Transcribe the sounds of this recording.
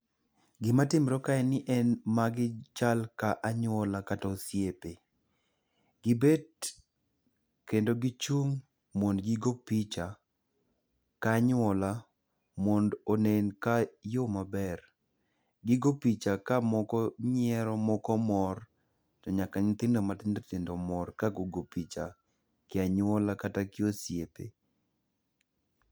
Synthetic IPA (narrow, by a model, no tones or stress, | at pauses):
ɡɪmatɪmɾɔkaɛnɪʔɛnmaɡɪt͡ʃalkaʔaɲɔlakatɔsjepe | ɡɪbed | kendoɡɪt͡ʃuŋ | mɔndɡɪɡopit͡ʃa | kaɲɔla | mɔndonenkajomabɛr | ɡɪɡopit͡ʃakamɔkɔɲɪɛɾɔmɔkɔmɔr | tɔɲakaɲɪt̪ɪndomat̪ɪndotɪndomɔrkaɡoɡopit͡ʃa | kɪaɲwɔlakatakɪosjepḛ